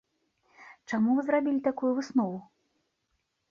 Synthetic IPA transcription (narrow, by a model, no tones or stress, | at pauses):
t͡ʂamuvɨzɾabʲilʲit̪akujuvɨsnɔvu